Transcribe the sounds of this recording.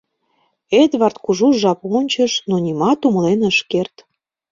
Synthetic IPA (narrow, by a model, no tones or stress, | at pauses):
et̪βɑrt̪kuʒuʒɑponʲt͡ɕə̆ʃnonʲimɑt̪umə̆lenəʃkert̪